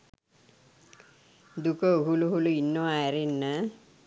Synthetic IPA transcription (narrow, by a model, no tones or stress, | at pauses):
d̪ukəɦuluɦuluinːoajɾenːə